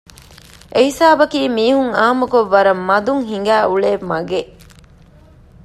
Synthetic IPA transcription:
ʔeɦisaːbɐkiːmiːɦuŋaːmukoʋːɐɾɐmːɐd̪uŋɦiŋ̆ɡæːuɭeːmɐɡe

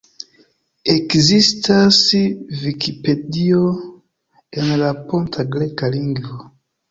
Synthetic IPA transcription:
ekzistasvikʰipedio | enlapontʰaɡɾekaliŋɡvo

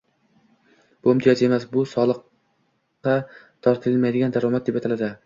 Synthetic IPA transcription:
b̥omt̪ʰɪjat͡ʃʰe̞masbʊsɒlˠɨqː | ɑ | t̪ʰɒɾt̪ʰɪlɪlmajd̪ɪɡʲand̪aɾɒmat̪̚d̪epat̪ʰalad̪ɪ

